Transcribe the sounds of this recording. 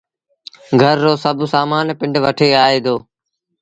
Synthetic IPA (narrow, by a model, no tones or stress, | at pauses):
ɡʱəɾːoːsəbʱsaːmaːnpɪɳɖʋəʈʰeːaːɦeːd̪oː